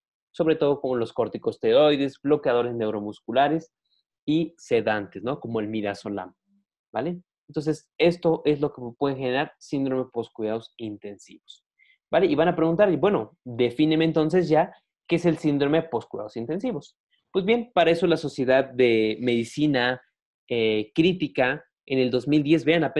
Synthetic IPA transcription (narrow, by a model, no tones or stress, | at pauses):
so̞βɾe̞t̪o̞ð̞o̞ko̞mo̞lo̞sko̞ɾt̪iko̞st̪e̞ɾo̞jðe̞zblo̞keaðo̞ɾe̞zne̞wɾo̞muskulaɾe̞s | ise̞ðant̪esno̞ko̞mo̞elmiðaso̞la̰m | bale | ent̪o̞ns̬e̞s | e̞st̪o̞ʔezlo̞kepwe̞ðexe̞ne̞ɾaɾsind̪ɾo̞me̞po̞skwuðaðosint̪e̞nsḭβo̞s | baleʔiβanapɾeɣunt̪aɾibwe̞no̞d̪e̞finemeːnt̪o̞ns̬e̞zʝa | keese̞lsind̪ɾo̞me̞po̞skwiðaðo̞sint̪e̞nsiβo̞s | pwe̞zβje̞npaɾae̞so̞laso̞sje̞ðaðːe̞me̞ðisina | ekɾit̪ika | ene̞ld̪o̞zmild̪je̞zβe̞anape